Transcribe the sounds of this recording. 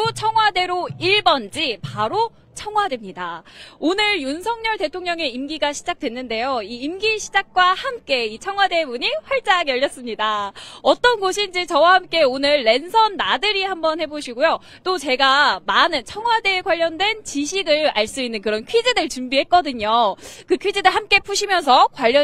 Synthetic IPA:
ot͡ɕʰʌŋɦwade̞ɾoiɭbʌnd͡ʑipaɾo | t͡ɕʰʌŋɦwadwe̞mɲidaonɯɾjunsʰʌŋɲʌɭte̞tʰoŋɲʌŋe̞imɡiɡaɕʰid͡ʑak̚t͈we̞nːɯnde̞joiːmɡiɕʰid͡ʑak̚k͈wahamk͈e̞it͡ɕʰʌŋwade̞muɲiɸwaɭt͡ɕ͈aɡjʌʎːʌs͈ɯmɲidaʌt͈ʌnɡoɕʰind͡ʑet͡ɕʌwahamk͈e̞onɯɭːe̞nsʰʌnːadɯɾihambʌnhe̞boɕʰiɡojo | t͈ot͡ɕe̞ɡamanɯnt͡ɕʰʌŋɦwadeːkwaʎːʌndwe̞nt͡ɕiɕʰiɡɯɭaɭs͈uinːɯnkɯɾʌnkʰɥid͡ʑedɯɭt͡ɕumbiɦe̞t̚k͈ʌdɯɲokɯkʰɥid͡ʑedɯɭɦamk͈e̞pʰuɕʰimjʌns̬ʰʌkwaʎːʌ

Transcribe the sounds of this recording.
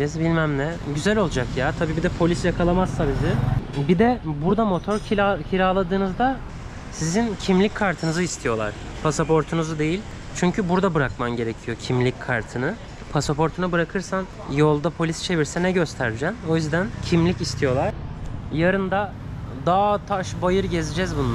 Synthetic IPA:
ɛzbilʲmæmnɛɟyzælʲo̞lˠud͡ʒakjaːt̪ʰabiːbid̪ɛpʰo̞lʲisjakʰalˠamazsabizɪbid̪ɛbuɾd̪amo̞t̪ʰo̞ɾacʰiɾʲaːlˠad̪ɯːnɯzd̪a | sizincʰimlʲicʲkʰːaɾt̪ʰɯnɯzɯist̪ʰijo̞lˠa̰ɾ̥ | pʰasapʰo̞ɾt̪ʰunuzud̪e̞jilʲ | t͡ʃʰyɲcʰybuɾd̪abɯɾakmanɟe̞ɾe̞cʰijo̞cʰimlʲicʲkʰaɾt̪ʰɯnɯ | pʰasapʰo̞ɾt̪ʰunabɯɾakʰɯɾsan | jo̞lˠd̪apʰo̞lʲist͡ʃʰe̞viɾsɛnɛɟøst̪ʰæɾd͡ʒɛno̞jyzd̪æncʰimlʲicist̪ʰijo̞lˠaɾ̥jaɾɯnd̪a | d̪aːt̪ʰaʃbajɯɾɟe̞zid͡ʒɛzbunˠ

